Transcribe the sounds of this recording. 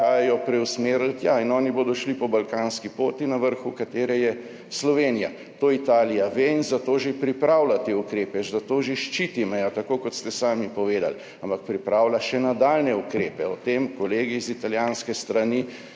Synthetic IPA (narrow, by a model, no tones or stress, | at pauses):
aːjajɔpɾɛwsmeːɾəlt̪jainɔːniboːd̪ɔʃlipɔbalkaːnskipoːt̪inaʋəɾxukat̪eːɾɛjɛ | slɔʋeːnija | t̪oit̪aːlijaʋeinzat̪oːʒepɾipɾawlat̪eukɾeːpɛzat̪oːʒeʃt͡ʃit̪imɛjɔt̪akoːkɔt̪st̪ɛsaːmipɔʋeːd̪a̰l | ampak̚pɾipɾaːwlaʃɛnad̪aːlnɛukɾeːpɛɔt̪emkɔleːɡizit̪aljanskɛst̪ɾani